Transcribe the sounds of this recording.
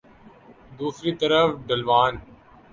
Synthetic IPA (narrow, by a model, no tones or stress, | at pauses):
d̪uːfɾiːt̪ɐɾəfɖɐlʋaːn